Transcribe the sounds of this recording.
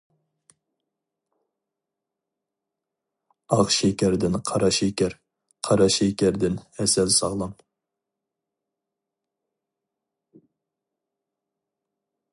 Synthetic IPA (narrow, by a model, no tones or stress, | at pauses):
ɑqʃɛkʲæɾd̪ɪnqʰɑɾɑʃekʲɛɾ | qʰɑɾɑʃekʲæɾd̪ɪnɛsɛlsɑʁlˠɑm